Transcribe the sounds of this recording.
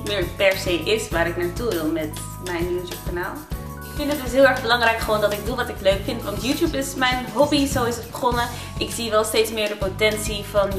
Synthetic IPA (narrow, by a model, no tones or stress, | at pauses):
tmɪːɹpɛɹzejʔɪsʋaːɾɪknaːɹtuʋɪlˠmɛt | mɛjnjutjup̚kana̰ːlˠ | ɪkfɪntətdɵsɦɪːlˠɛɹχbəlɑŋrɛjkχəʋowndɑtɪɡ̚duʋɑtɪkløɥkfɪntʋɑntjutjupɪsmɛjnɦɔbizowɪsət̚bəχɔnə | ʔɪkz̥iʋɛlˠstejtsmɪːɹdəpotɛnsivɑn